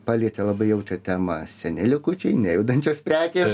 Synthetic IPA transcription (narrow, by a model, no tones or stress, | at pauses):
pɑlʲiːt̪ʲɛlˠɐbɐɪjɛʊt̪ʲɐt̪ʲæːmɐsʲɛnʲɪlʲɪkut͡ʃʲɛɪnʲɛjɛʊd̪ɐnʲt͡ʃʲoːspʲɾʲæːkʲeːs